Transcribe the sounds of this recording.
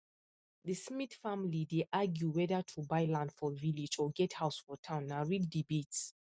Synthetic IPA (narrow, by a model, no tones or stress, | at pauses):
ðəsmiθfãmlideʔaɡjuwɛðatʰubaɪlãndfɔvilid͡ʒɔɡɛthaʊsfɔtʰãʊ̃nːaɹiɡdibets